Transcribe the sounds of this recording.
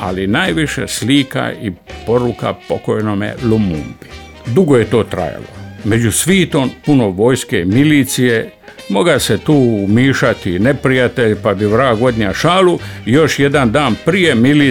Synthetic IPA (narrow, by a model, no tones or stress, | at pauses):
a̰linajʋiʃḛsliːka̰ipo̞ɾuka̰pokojnomḛlumṵmbi | d̪uɡo̞je̞t̪o̞ːt̪ɾa̰ja̰lo̰me̞d͡ʑusʋiːt̪o̞mpunoʋo̞ːjskeimiliːt̪sije | mo̞ɡaset̪uːmiːʃat̪ine̞pɾijat̪e̞ʎpabiʋɾaːɡo̞d̪ɲaʃaːlujo̞ʃje̞d̪and̪aːnpɾije̞mili